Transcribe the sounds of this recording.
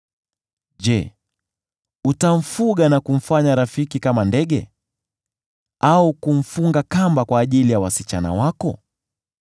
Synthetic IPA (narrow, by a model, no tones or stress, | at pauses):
ʄɛ | utam̩fuɠanakum̩faɲaɾafikikamandɛɠɛ̰ | aukum̩fuŋɡakambakwaːʄilijawasit͡ʃana̰wakɔ